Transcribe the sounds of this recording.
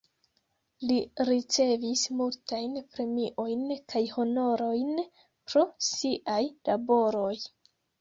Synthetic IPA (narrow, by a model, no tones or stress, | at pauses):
liɾit͡se̞vismultajnpɾe̞miʔo̞jnkʰajho̞no̞ɾo̞jn | pɾo̞siʔajlabo̞ɾo̞j